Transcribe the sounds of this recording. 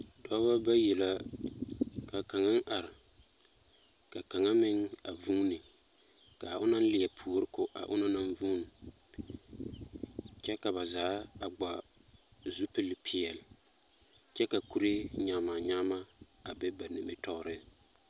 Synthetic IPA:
dɔ˦ba˦ba˦jɛ˨la˦ | ka˨ka˨ŋa˦n˦ʔa˨ɾɪ˨ | ka˨ka˨ŋa˦mɪ˦ŋa˨vuː˦nɨ˨ | ka˨ʔʊ˦na˦n˦lɪ˨ɛ˨pʰu˨o˨ɾɪ˦kʊ˨ʔa̰˨ʔʊ̰˦na˦na˦nvuː˦n˨ | t͡ʃɛ˦ka˨βa˨zaː˨˦a˨ɡ͡ba˨ | zu˦pɪ˦lɪ˦pʰi˨ɛ˨lɪ˨ | t͡ʃɛ˦ka˨ku˦ɾe˦ɲa˨ma˨ɲaː˦ma˦ | a˨bɛ˦ba˨nɪ˨mɪ˨tɔ˦ɣɾɪ˦

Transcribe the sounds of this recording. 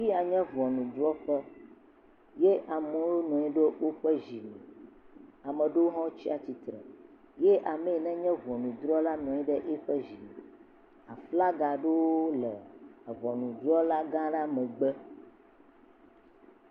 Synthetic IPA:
fi˦a˨ɲɛ̃˦vɔ˨nũ˨d̪ɾɔ˦ɸɛ˦ | je˦ʔa˨mõ˦wo˦nɔ̃˨i˦ɖe˦wʔo˦ɸɛ˦ʒi˨mɛ̃˨ | a˨mə̃˨ɖe˦wo˦ɦɔ̃˦t͡ɕi˦a˨t͡ɕi˨t̪ɾə˨ | je˦ʔa˨me˨e˨nɛ̃˦ɲɛ̃˦vɔ˨nũ˨d̪ɾɔ˦la˦nɔ̃˨ɛ˦ɖɛ˦ʔe˦ɸɛ˦ʒi˨mɛ˨ | a˨fla˦ɡa˨ɖe˦wo˦lɛ˨a˨vɔ˨nũ˨d̪ɾɔ˦la˦ɡã˦ɖa˦mɛ̃˨ɡ͡bɛ˦

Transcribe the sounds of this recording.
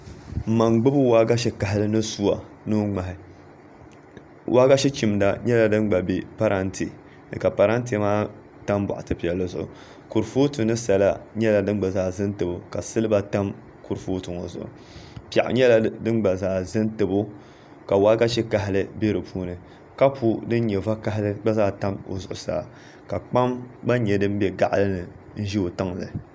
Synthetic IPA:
ma˨ŋɡ͡bɨ˦bɨ˦waː˦ɡa˦ʃɛ˦ka˨ɦɪ˦lɨ˦nɨ˦su˦a˨ | nu˦ŋ͡ma˨ɦɪ˨ | wʔa˦ɡa˦ʃi˦t͡ʃi˨mda˨ɲɛ˦la˨dɨ˦nɡ͡ba˨bi˨pa˦ɾʔa˦ntʰḭ˨ | ka˨pa˨ɾa˦n˦ti˦maː˦ | ta˦mba̰˨ʔa˨tɨ˦pi˨ɛ˨lːɨ˦zʊ˨ʔʊ̰˨ | ku˨ɾfo˦tu˨nɨ˦sa˨la̰˦ɲɛ˦la˨dɨ˦nɡ͡ba˨zaː˨zɨ˦ntɨ˨bʊ˨ka˨sɨ˦lɨ˦ba˦ta˦m | ku˨ɾfo˦tu˨ŋo˨zʊ̰˨ʔʊ̰˨ | pi˨a̰˨ʔɲɛ˦la˨dɨ˦nɡ͡ba˨zaː˨zɨ˦ntɨ˨bʊ˦ | ka˨wa˦ɡa˦ʃi˦ka˨˦ɦɪ˦lɨ˦be˦ɾɨ˨puː˦nɨ˨ | ka˦pu˦dɨ˦n˦ɲɛ˨va˦ka˦ɦlɨ˦ɡ͡ba˦zaː˦ta˦mo̰˨zʊ˨ʔʊ̰˨sa̰ː˦˨ | ka˨k͡pa˦mba˦ɲɛ˨dɨ˦m˦bɛ˦ɡa˦ʔlɨ˦nɨ˨ | n̩˦ʒi˦o˨ta˦ŋlɨ̰˨

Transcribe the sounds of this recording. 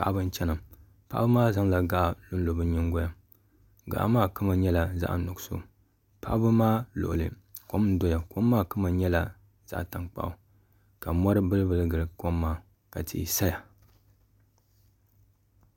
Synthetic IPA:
pa˨ʔa˦bɨ˦n˦t͡ʃɛ˦nɨ˨m | pa̰˦ʔa˦bɨ˦maː˦za˦ŋla˨ɡa˨ʔa˨lu˦n̩˦lo˨bɨ˦ɲɨ˦ŋɡo˦ja˨ | ɡa̰˨ʔa̰˨maː˦kɨ˦ma˨ɲɛ˦la˨za̰˦ʔnʊ˨ɡso̰˨ | pa˦ʔbɨ˦maː˦lo̰˨ʔʊ̰˨lɨ̰˨ | ko˦m˦n̩˦do˦ja˨ko˦mːaː˦kɨ˦ma˨ɲɛ˦la˨ | z̥a̰˦˨ʔta˨ŋk͡pa̰˨ʔʊ˨ | ka˨mɔ˦ɾɨ˦bɨ˦lɨ˦bɨ˦lɨ˦ɡɨ˨lɨ˨ko˦mːaː˦ | ka˨tḭ˨ḭ˨sa˦ja˨

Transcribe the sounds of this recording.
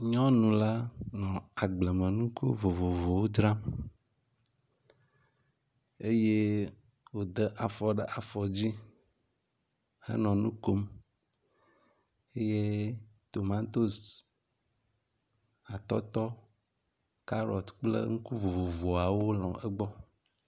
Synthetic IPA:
ɲɔ̃˦nũ˨la˦nɔ̃˨a˨ɡ͡ble˨mə̃˨nũ˦ko˦vo˨vo˨vo˨wo˦d̪ɾã˦m | e˦je˦ | wo˨d̪ə˦ʔa˨fɔ˨ɖɛ˨ʔa˨fɔ˨d͡ʑi˦ | hə̰˦nɔ̃˨nũ˦ko˦m | e˦je˦t̪o˨mã˦t̪o˦s | a˨t̪ɔ˦t̪ɔ˦ | ka˦ɾɔ̰˨t̪k͡plə̰˦ŋu˦ku˦vo˨vo˨vo˨a˨wo˦lɔ̰̃˨ɛ˦ɡ͡bɔ˦

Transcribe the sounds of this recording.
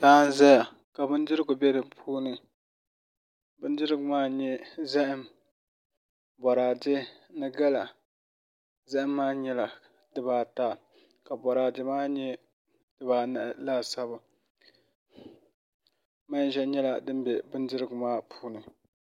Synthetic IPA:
daː˦n˦za˦ja˨ | ka˨bɨ˦n˦dɨ˦ɾɨ˦ɡʊ˨bɛ˦dɨ˨pʰuː˦nɨ˨ | bɨ˦n˦dɨ˦ɾɨ˦ɡʊ˨maː˦ɲɛ˦zɛ˦ʔɪ˦m | bɔ˨ɾaː˨dɪ˦nɨ˦ɡa˦la˨ | zɛ˦ʔɪ˦mːaː˦ɲɛ˦la˨ | dɨ˦baː˨ta˦ | ka˨bɔ˨ɾaː˨dɪ˦maː˦ɲɛ˦ | dɨ˦baː˨na˦ʔlaː˦sa˦bʊ˨ | ma˦n˦ʒɛ˦ɲɛ˦la˨dɨ˦m˦bɛ˨bɨ˦ndɨ˦ɾɨ˦ɡʊ˨maː˦pʰuː˦nɨ˨

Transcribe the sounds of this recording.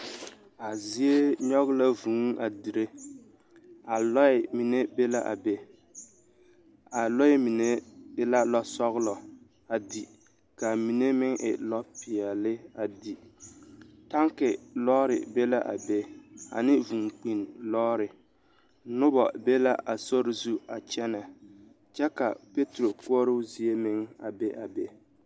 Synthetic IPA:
a˨zi˦e˦ɲɔ˦ɣɪ˦la˦vuː˨˦ŋa˨di˨ɾe˦ | a˨lɔ˦ɪ˨mi˨ne˦be˦la˦ʔa̰˨be˦ | a˨lɔ˦mi˨ne˦la˦lɔ˦sɔ˦ɣlɔ˨ | a˨di˨ | ka˨mi˨ne˦mɪ˦ŋʔɪ̰˨lɔ˦pi˨ɛ˨lɪ˦a˨di˨ | ta˦ŋkɪ˨lɔː˦ɾɪ̰˨be˦la˦ʔa̰˨be˦a̰˨nɪ˦vu˨ŋk͡pi˨nlɔː˦ɾɪ˨ | nʊ˦bɔ̰˨be˦la˦ʔa˨so˦ɾɪ˦zu˦a˨t͡ʃɛ˦na˨ | t͡ʃɛ˦ka˨pe˦tɾo˨ku˦ɔ˦ɾʊ˦zi˦e˦mɪ˦ŋa̰˨be˦ʔa˨be˦

